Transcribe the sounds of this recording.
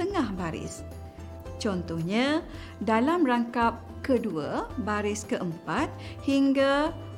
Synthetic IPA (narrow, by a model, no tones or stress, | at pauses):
əŋahbaɾɪ̰s | t͡ʃɔnt̪ɔhɲã | dalamraŋkap̚kəduabaɾɪskəʔəmpat̪̚ | hiŋɡa